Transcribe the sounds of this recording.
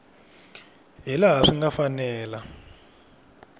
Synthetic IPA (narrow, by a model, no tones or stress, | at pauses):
ɦɛlaɦaʂiŋɡafanɛːla